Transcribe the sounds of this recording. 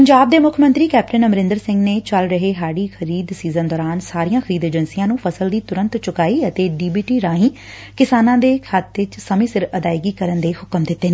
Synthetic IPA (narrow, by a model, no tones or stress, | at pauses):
pəɲd͡ʒaːb̚d̪eːmʊkʰəmə̃nt̪ɾiːkɛːp̚ʈənəmɾɪ̃nd̪əɾsɪ̃ŋɡneːt͡ʃəlɾəɦeːɦaːɽiːxʰəɾiːd̪siːzə̃nd̪ɔːɾaːnsaːɾijãːxʰəɾiːd̪eːd͡ʒənsijãːnũːpʰəsəld̪iːt̪ʊɾə̃nt̪t͡ʃʊkaːiːət̪eːɖiːbiːʈiːɾãːɦĩː | kɪsaːnãːd̪eːkʰat̪ːɪt͡ʃsəmĩːsɪɾəd̪aːɪɡiːkəɾənd̪eːhʊkəmd̪ɪt̪ːeːnː